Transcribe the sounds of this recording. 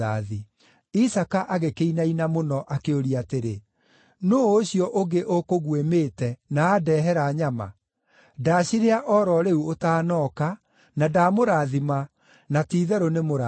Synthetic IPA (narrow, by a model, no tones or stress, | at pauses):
aði | isakaʔaɣekeinainamonɔʔakeoɾiateɾe | noːɕiɔʔoɡeʔokoɣwemeːtɛnaːdɛːɦɛɾaɲama̰ | daːɕiɾeaʔɔɾɔɾeuotaːnɔka | nadaːmoɾaːðima | natiːðɛɾonemoɾa